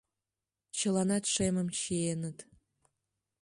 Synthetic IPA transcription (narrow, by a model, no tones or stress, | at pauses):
t͡ɕɤ̆lˠɑnɑt̪ʂemə̆mɕienə̆t̪